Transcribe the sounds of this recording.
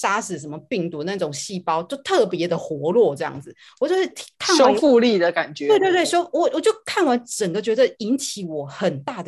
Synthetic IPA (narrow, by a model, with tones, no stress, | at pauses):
ʂa˥ʂɻ̩˨˩ʂə˧˥nmə˧pi˥˩ŋt̪u˧˥na˥˧ʈ͡ʂʊ˨˩ŋɕi˥˩pɑ˥ʊt͡ɕjo˥˧ʊt̪ʰɤ˥˩pjɛ˧˥d̪ə˨xwɔ˧˥lwɔ˥˧ʈ͡ʂɤ˥˧jɑ̰˥˩ŋd͡zɹ̩˨˩ | wɔ˨˩t͡ɕjo˥˧ʂɻ̩˥˩t̪ʰi̥˧˥kʰa˥˨nwoa˥ʊ˦fu˥˧li˥˩d̪ə˩ka˨˩nt͡ɕɥɛ˧˦we˥˧ɪe˥˧t̪wɪʂjo˥ʊwɔ˨˩wɔ˨˩t͡ɕjo˥˧ʊkʰa˥˩nwa˧˦˥nʈ͡ʂə˨˩ŋɡə˨˦t͡ɕɥɛ˧˥d̪ə˧˨i˧˥nt͡ɕʰi˨˥wɔ˨˩˦xə˨˩nt̪a˥˩d̪ə˩